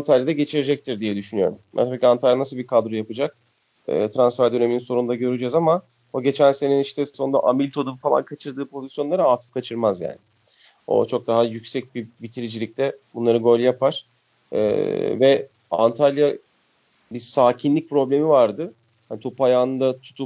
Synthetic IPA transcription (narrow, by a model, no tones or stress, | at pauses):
ant̪ʰalʲjad̪aɟe̞t͡ʃʰiɾed͡ʒɛc̚t̪ʰiɾd̪ijɛd̪yʃynyjo̞ɾumbæ̰nt̪ʰabiːcʰʲant̪ʰalʲjanasɯlˠbikʰad̪ɾojapɯd͡ʒak̚ | ɯ̰ːt̪ʰɾansfæɾd̪ø̞ne̞mininso̞ɾund̪aɟø̞ɾyd͡ʒɛzama | oɟe̞t͡ʃʰænse̞niniʃt̪ɛsonund̪a̰ʔamilʲt̪ʰo̞d̪upfalˠa̰nkʰat͡ʃʰɯɾd̪ɯːpʰo̞zisjo̞nlˠaɾaaːt̪ʰɯ̥fkʰat͡ʃʰɯɾmazja̰ːnɪ | o̞̰t͡ʃʰo̞k̚d̪aɦajycsɛc̚bibit̪ʰiɾid͡ʒilʲic̚t̪ʰɛbunlˠaɾɯɡo̞lʲjapaɾ̥ | ɛ̰vɛ | a̰nt̪ʰalʲja | biɾsaːcʰinlʲic̚pɾo̞blʲe̞mivaɾd̪ɯ | hanit̪ʰopajaːnɯnd̪at̪ʰu̥t̪ʰup